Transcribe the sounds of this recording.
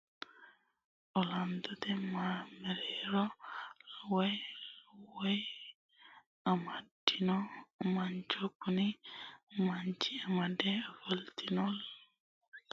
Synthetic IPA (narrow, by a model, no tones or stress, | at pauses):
ɔland̪ɔt̪ɛmamɛɾɛɾɔlwelwe | amadinɔmaɲt͡ʃokuni | mant͡ʃiamadɛafəlt̪inɔl